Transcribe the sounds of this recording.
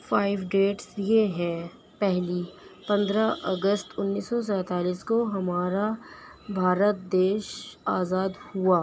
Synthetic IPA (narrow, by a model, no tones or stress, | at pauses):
faːɪʋɖeːʈsjeɦɛ̃ | pɛɦlipɐ̃nd̪ɾaʔɐ̰ɡəst̪ʊnːiːsɔs̬ɛ̃ːt̪aːliːskoɦɐmaːɾa | bʱaːɾət̪̚d̪eːʃaːzaːd̪huaː